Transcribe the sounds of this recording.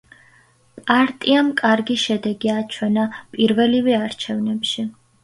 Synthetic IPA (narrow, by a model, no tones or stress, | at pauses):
pʼaɾt̪ʼiamkʼaɾɡiʃɛd̪ɛɡiat͡ʃʰwɛnapʼiɾvɛlivɛaɾt͡ʃʰɛvnɛpʃi